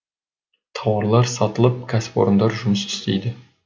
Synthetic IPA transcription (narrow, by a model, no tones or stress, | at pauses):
t̪ʰɑwɑɾlˠɑɾsɑt̪əlˠəp̚kʲʰæsɪ̥po̰ɾənd̪ɑɾʒʊməst̪ʰʏ̥st̪e̞̰jd̪ɪ